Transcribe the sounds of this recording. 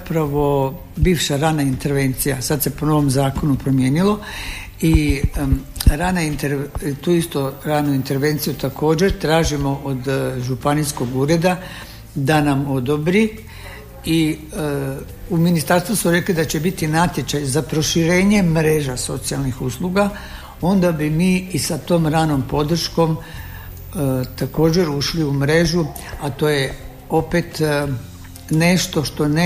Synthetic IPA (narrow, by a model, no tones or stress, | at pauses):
pɾaʋo̞ | biːʋʃaɾanaint̪e̞ɾʋe̞nt̪sijasad̪se̞po̞no̞ʋo̞mzaːko̞nupɾo̞mje̞ːnilo̞ | i | ɾanaint̪eɾt̪uːist̪oɾanuint̪e̞ɾʋe̞nt̪sijut̪akʰo̞ːd͡ʑe̞ɾt̪ɾaːʒimo̞ʔod̪ʒupanisko̞ɡuːɾe̞d̪a | d̪anamo̞d̪o̞bɾi | i | uminist̪aɾst̪ʋusmoɾe̞klid̪at͡ɕe̞bit̪inat̪je̞t͡ɕajzapɾo̞ʃiɾe̞ːɲe̞mɾe̞ːʒaso̞t̪sialˠnixuːslˠuɡa | o̞nd̪abimiːsat̪o̞ːmɾaːno̞mpo̞d̪r̩ʃko̞m | t̪ako̞ːd͡ʑe̞ɾuʃliumɾe̞ʒu | at̪o̞ːje | o̞pe̞t̪ | ne̞ʃt̪o̞ʃt̪o̞n